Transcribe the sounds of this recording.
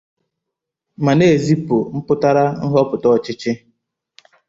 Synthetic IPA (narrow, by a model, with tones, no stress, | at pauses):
ma˨ne˦˨e˨zi˦pʊ˨m̩˦pʊ˦ta˦ɾa˦n̩˦ɦɔ˦pʊ˨tɔ˦˨t͡ʃɪ˦t͡ʃɪ˦